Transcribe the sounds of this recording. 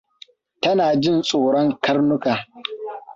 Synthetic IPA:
tɐ˦naː˨d͡ʒɪ˦˨nsʼoː˨ɽɔ˦ŋkʰɐ˦rnʊ˦kaː˨

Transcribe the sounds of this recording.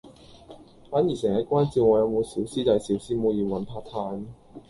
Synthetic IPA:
faː˨˥nji˨˩sɛː˨˩ŋjɐ˨˥t̚kʷaː˥nt͡siː˧wŋɔː˨˧jɐ˨˧wmo˨˧wsiː˨˥wsiː˥t̪ɐ˨˧jsiː˨˥wsiː˧˥muː˨˧jiː˨˧wɐ˨˧npʰaː˧t̪ʰaː˧n

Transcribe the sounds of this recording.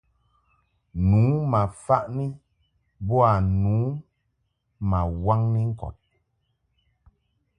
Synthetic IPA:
nuː˨˦ma˨fa˦ʔni˦ | bɔ˦a˨nuː˨˦ | ma˨wa˦ŋni˦ŋ̩˦kɔ̰˨t̚

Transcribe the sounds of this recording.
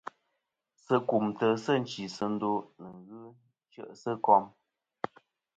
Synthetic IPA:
sə˦ku˨mtə˦sə˦˨n̩˨t͡ʃi˨sə˦n̩˦do˦nə˨ŋɣɨ˦ | t͡ʃə̰˦˨ʔsə˦kɔ˦m

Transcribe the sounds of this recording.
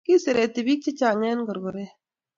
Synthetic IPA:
ki˦se˨ɾe˨t̪e˨bi˦k̚t͡ʃe˦t͡ʃaː˨ŋɛː˦nɡə˨ɾɡo˨ɾe˦

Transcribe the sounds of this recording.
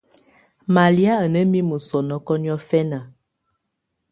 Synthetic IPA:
ma˨li˦a˦ə˨nə˦mi˦mə˨sɔ˨nɔ˦kɔ˦ni˦ɔ˦fɛ˦na˨

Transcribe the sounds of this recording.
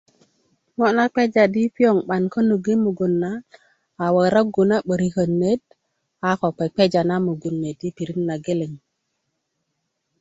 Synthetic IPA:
ŋo˦ʔna˦k͡pe˦d͡ʒa˨di˦pi˦o˨ŋɓa˨nkə˦nu˨ɡi˦mu˨ɡu˨nːa˦ | a˨wə˨ɾa˦ɡu˨na˦ɓə˨ɾi˨kə˨nːe˦d̚ | a˨ko˨k͡pe˨k͡pe˦d͡ʒa˨na˦mu˨ɡu˨nːe˨di˦pi˨ɾi˦nːa˨ɡe˦le˨ŋ

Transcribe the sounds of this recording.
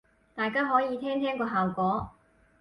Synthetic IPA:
t̪aː˨jkaː˥ɦɔː˨˥jiː˨˧t̪ʰɛː˥ŋt̪ʰɛː˥ŋkɔː˧ɦaː˨wkʷɔː˨˥

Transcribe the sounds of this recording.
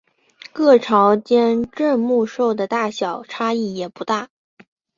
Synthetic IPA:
kɤ˥˩ʈ͡ʂʰɑ˧˥ʊt͡ɕjɛ˥nʈ͡ʂə˥˧nmu˥˧ʂo˥˩ʊd̪ə˩t̪a˥˩ɕjɑ˨˩ʊʈ͡ʂʰa˥i˥˩jɛ˨˩pu˧˥t̪a˥˩

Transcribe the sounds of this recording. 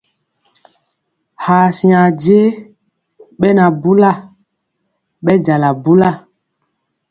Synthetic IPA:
ha˨sĩ˨a˨d͡ʒe˦ | ɓɛ˦na˨bu˦la˦˨ | ɓɛ˦d͡ʒa˨la˨bu˦la˦˨

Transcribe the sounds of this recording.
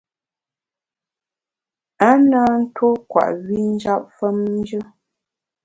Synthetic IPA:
a˦naː˦n̩˦to˦kwa̰˨ʔɥi˦n̩˦d͡ʒa˦p̚fə˦mn˦d͡ʒə˦

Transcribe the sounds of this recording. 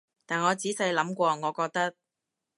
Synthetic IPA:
t̪aː˨˩nŋɔː˨˧t͡siː˨˥sɐ˧jlɐ˨˥mkʷɔː˧ŋɔː˨˧kɔː˧k̚t̪ɐ˥k̚

